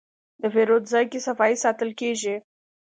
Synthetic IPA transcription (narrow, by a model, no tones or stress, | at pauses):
d̪əveɾot̪zajkʲesavaisat̪əlkʲeʒi